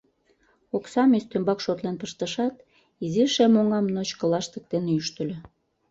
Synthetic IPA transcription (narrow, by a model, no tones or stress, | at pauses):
oksɑmest̪ømbɑkʃot̪lenpəʃt̪əʃɑt̪ | iziʃemoŋɑmnot͡ɕkə̆lɑʃt̪ə̆k̚t̪eneyʃt̪ə̆lʲø